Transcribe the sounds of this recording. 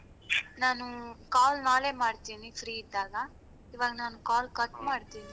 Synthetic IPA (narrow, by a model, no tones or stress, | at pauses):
naːnukaːlnaːleːmaːɽt̪iːnifʰɾiːid̪ːaːɡɐ | iʋaːɡɐnaːnukaːlkɐʈmaːɽt̪iːni